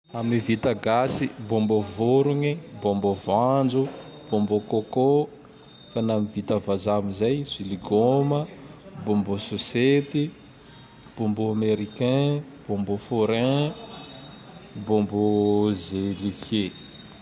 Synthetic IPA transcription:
amivit̪aɡasibombovoɾuŋibombovand͡zub̥ombokoko | fanamivit̪avazamizajsiliɡoməbombusoset̪i | b̥ombuameɾikɛ̃ | b̥ombufoɾɛ̃ | bombozelihe

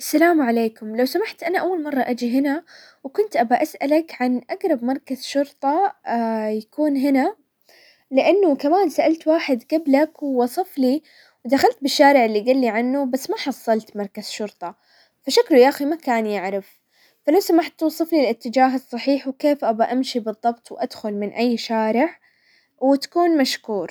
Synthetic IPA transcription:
ʔasːalaːmʕaleːkʊmlawsamaħt̪ʔanaʔawːalmɑrˤːɑʔad͡ʒiɦɪna | wkʊnt̪ʔabaʔasʔalakʕanʔaɡɾˤɑbmɑɾˤkazʃʊɾt̪ˤɑ | jakuːnɦɪna | lɪʔanːʊkamaːnsaʔalt̪waːħɪd̪ɡablakwwɑsˤɑfli | wd̪axalt̪̚bɪʃːaːɾɪʕɪlːiɡalːiʕanːʊbasːmaħɑsˤːɑlt̪mɑɾˤkaz̥ʃʊɾt̪ˤɑ | faʃakluʔaximakaːnjaʕɾɪf | falawsamaħt̪ːusˤɨflilɪt̪ːɪd͡ʒaːɦɨsˤːɑħiːħwkeːfʔabaʔamʃibɨðˤːɑbt̪ˤwʔad̪̥xʊlmɪnʔajːʃaːɾɪʕ | wɪt̪ḁkuːnmaʃkuːɾ

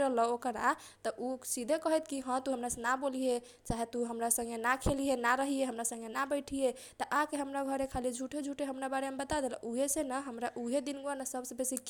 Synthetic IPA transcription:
ɾəɦləokəɾa | t̪ɔʔusid̪ʱekəɦɛt̪kiɦə̃t̪uɦəmɾasenaboliɦe | t͡ʃaɦet̪uɦəmɾasə̃ŋɡenakʰeliɦenaɾəɦieɦəmɾasə̃ŋɡenabəɪʈʰije | t̪əʔakeɦəmɾaɡʱəɾekʰalid͡ʒʱuʈed͡ʒʱuʈeɦəmɾabaɾemebət̪ad̪elɔ̰ʔuɦesenəɦəmɾaʔuɦed̪inɡuanəsəbsẽbesik

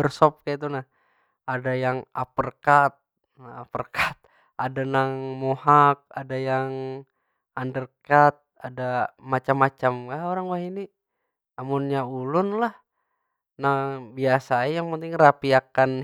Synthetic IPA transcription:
ərsɔp̚kait̪̬unah | adajaŋapərkat̪̚ | napərkat̪̚ | adanaŋmohak̚adajaŋ | andərkat̪̚adamat͡ʃamːat͡ʃamkaoɾaŋwaɦini | amunɲaulʊnlah | naŋbiasaajaŋpənt̪ɪŋrapiakan

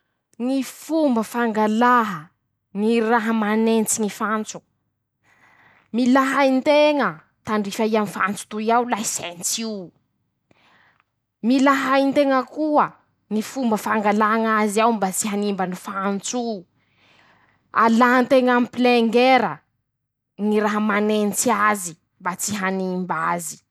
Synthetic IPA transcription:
ŋifumbəfaŋɡalaɦə | ŋiraɦəmanent͡siŋifant͡su̥ | milaɦajnt̪eŋə | t̪aɳɖ͡ʐifaianfant͡su̥t̪uiawlaisent͡siw | milaɦaint̪eŋəkuə | ŋifumbəfaŋɡalaŋaziawmbat͡siɦanimbanifant͡su | a̰lant̪eŋampileŋɡeɾə | niɾaɦəmanent͡siazi | mbat͡siɦanimbazi̥

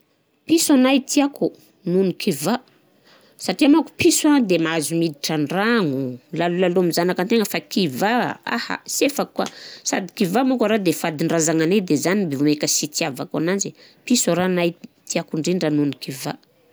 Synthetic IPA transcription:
pisanajt̪iaku | nunikʰiva | saʈ͡ʂiamaku̥pisad̪emaazumid̪iʈ͡ʂaɳɖ͡ʐaŋulalulaloamizanakant̪eŋəfakiva̰a̰ha̰sefakːa̰sa̰d̪i̥kivamukaɾad̪efad̪iɳɖ͡ʐazaŋaned̪ezanibeamekəsit̪iavaka̰nand͡ʒi | pisaɾanajt̪iakuɳɖ͡ʐinɖ͡ʐanunikiva̰

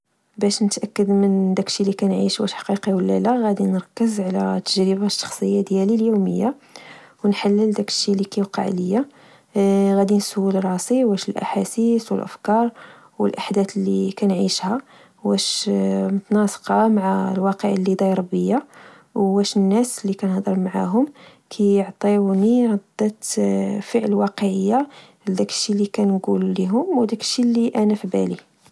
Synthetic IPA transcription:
bæʃnət̪ʔækːəd̪mənd̪ækʃilːikænʕḭʃwæʃħɑ̥qiqiwəlːælæɣæd̪inɾˤɑkːəzʕlæ̰t̪ːəʒɾəbaʃːɑ̥xsˤəjːad̪jæliljumə̰jːa | wnħalːəld̪ækə̥ʃːilikæqɑ̰ʕləjːa | ɣæd̪inswulɾˤɑsiwæʃəlʔa̰ħasiswə̰lʔə̰fkɑɾˤ | wə̰lʔaħd̪æt̪lːikænʕiʃhæ | wæʃmʊt̪nɑsˤqɑmaʕalwɑqəʕlːid̪ˤɑjɾˤɑbəjːa | wwæʃənːæslːikænəhd̪ˤəɾˤmaʕa̰ɦʊm | kʰæjəʕt̪ˤiniɣɑd̪ːæt̪fəʕləwɑqəʕəjːa | d̪ækə̥ʃːilikænɡulliɦʊmwd̪ækəʃːilːiʔænæfibæ̰li

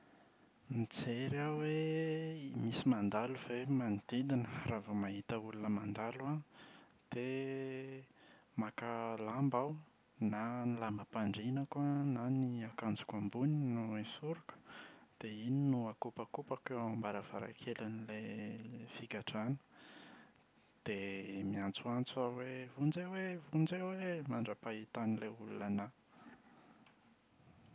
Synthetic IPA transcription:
nit͡seɾaweimisimand̪aluvemand̪id̪inəravamaɦit̪əulunəmand̪alua | d̪̥e | makalambaw | nanilambəpaɳɖ͡ʐinəkwananiakand͡zu̥kambuninuesuɾukə̥d̪̥eininuakupakupakeambaɾav̥a̰ɾa̰kʰelanilefikaʈ͡ʂanə̥ | d̪̥emiant͡suant͡suawevund͡zewevund͡zewemaɳɖ͡ʐapait̪anileulṵlana

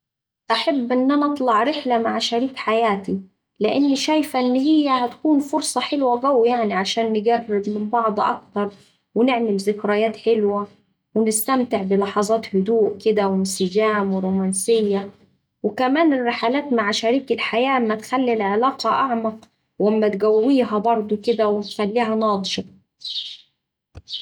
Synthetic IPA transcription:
ʔaħabːʔɪnːʔanaʔɑt̪ˤlɑʕɾɪħlamaʕʃaɾiːkħajaːt̪i | lɪʔɪnːiʃaːjfaʔɪnːɦɪjːahat̪kuːnfʊɾsˤɑħɪlwaɡawijaʕniʕaʃaːnːɪɡarːɪd̪mɪmbɑʕd̪ˤʔɑ̰kt̪ɑɾˤ | wɪnɪʕmɪlzɪkɾajaːt̪ħɪlwa | wɪnɪst̪æmt̪ɪʕbɪlɑħɑzˤɑːt̪hʊd̪uːʔkɪd̪æwɪnsɪɡæːmweɾoːmænsɪjːæ | wɪkæmæːnɪrːɪħalæːt̪maʕʃæɾiːkɪlħajæːʔmːæt̪xælːilʕelɑːqɑʔɑʕmɑq | wamːæt̪ɡæwːiːɦæbɑɾˤd̪ˤokɪd̪æwɪt̪xælːiːɦænɑːd̪ˤʃɑ

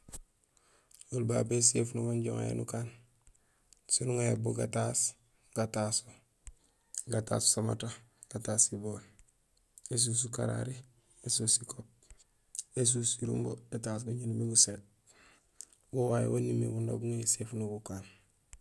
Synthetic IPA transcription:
wulbabesefnuɡaɲɟoŋa̰jḛnṵkaːn | sunuŋajeboɡataːs | ɡ̥atasu | ɡata̰ːsu̥sama̰taɡ̥ataːsiboːl | es̬us̬uka̰ɾa̰ɾi | esusikop̚ | es̬usiɾṵmboetaːs̬ɡuɲɟinumiɡuseːt̚ | wowajḛwanːimḭɡundo̰buŋeesefnuɡukaːn

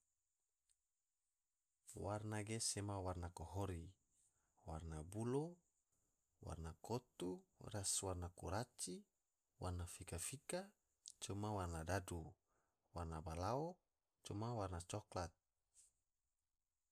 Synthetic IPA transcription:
warnaɡesemawarnakɔɦoɾi | warnabulo | wa̰rnakot̪uraswarnakuɾat͡ʃi | warnafikafika | t͡ʃumawarnadadu | warnabalaɔ | t͡ʃumawarnat͡ʃɔklat̪̚

